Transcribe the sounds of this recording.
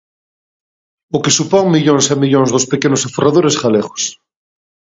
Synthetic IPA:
okesupoŋmiʎonsamiʎõnzðospekenosaforaðoɾesxaleɣo̥s

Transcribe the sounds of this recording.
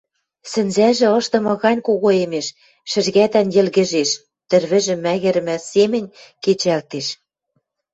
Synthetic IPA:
sɘ̆nzæʒɘ̆ɤ̆ʃt̪ɤ̆mɤ̆ɣɑnʲkoɣoemeʃ | ʃɘ̆ʒɣæt̪ænjɘ̆lɣɘ̆ʒeʃ | t̪ɘ̆rβɘ̆ʒɘ̆mːæɣɘ̆ɾɘ̆mæsemɘ̆nʲket͡ɕælt̪eʃ

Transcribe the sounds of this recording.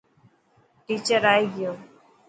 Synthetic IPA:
ʈit͡ɕəɾajɡijo

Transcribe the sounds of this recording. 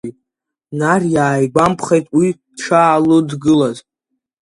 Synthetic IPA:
narjaːjɡʷampʰχejtʼwi | ʈ͡ʂʰaːlʊdɡɨlazʼ

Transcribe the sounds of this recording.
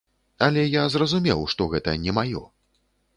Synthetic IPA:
ɐlʲɛjazrɐzumʲɛwʂt̪ɔɣɛt̪ɐnʲɛmajɔ̰

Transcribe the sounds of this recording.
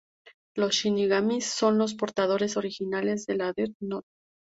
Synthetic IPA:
lo̞sʃiniɣamisːo̞nlo̞s̬po̞ɾt̪að̞o̞ɾe̞so̞ɾixinale̞zðe̞laðeɾno

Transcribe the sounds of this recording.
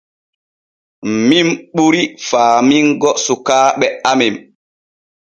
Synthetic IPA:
mimɓuɾifaːmiŋɡɔsukaːɓɛamem

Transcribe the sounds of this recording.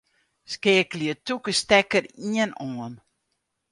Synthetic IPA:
skeːəkliətukəstɛkəɾiənɔːən

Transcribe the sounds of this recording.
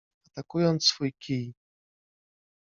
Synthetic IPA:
at̪akujɔnt̪ssfujkʲʰij

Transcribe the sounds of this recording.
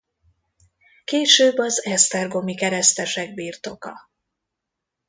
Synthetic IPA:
keːʃøːbːɒzɛst̪ɛrɡo̞mikɛɾɛst̪ɛʃɛɡ̚biːrt̪o̞kɒ̰

